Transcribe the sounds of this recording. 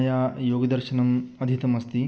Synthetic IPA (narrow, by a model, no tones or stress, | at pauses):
jajoːɡɐd̪ɐɾɕɐnɐmɐd̪ʱit̪ɐmɐst̪i